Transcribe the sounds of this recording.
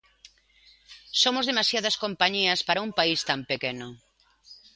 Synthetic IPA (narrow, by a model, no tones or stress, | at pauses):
somʊzðemasjaðɐskompaɲiɐspaɾaɐumpaist̪ampekenʊ